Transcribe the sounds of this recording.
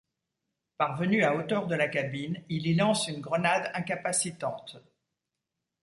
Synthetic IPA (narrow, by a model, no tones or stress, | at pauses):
paʁvənyaot̪œʁd̪əlakabinililɑ̃synɡʁənad̪ɛ̃kapasit̪ɑ̃t̪